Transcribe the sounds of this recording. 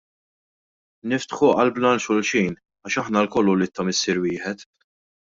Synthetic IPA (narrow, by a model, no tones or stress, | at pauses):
nɪft̪ħuʔɐlblɐnʃɔlʃiːn | ɐʃɐħnɐlkɔlːulɪt̪ːɐmɪsːɪɾwɪːħɛt̪